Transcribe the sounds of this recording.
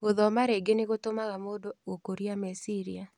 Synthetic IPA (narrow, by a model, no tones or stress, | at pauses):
oðɔmaɾeɡeneɣotomaɣamodookoɾiamɛsiɾia